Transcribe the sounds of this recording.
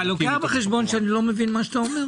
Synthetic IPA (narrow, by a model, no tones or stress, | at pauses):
loabeχeʃbo̞nʃeanilo̞mevinmaʃat̪aomeʁ